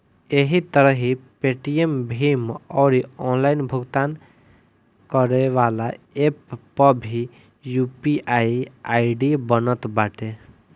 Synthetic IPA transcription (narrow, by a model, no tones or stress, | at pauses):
eɦit̪əɾəɦipeʈijembʱimɔɾiɔnlaɪnbʱʊɡt̪an | kəɾeʋalaepːəbʱi | jupiʔaiaiɖibənət̪baʈe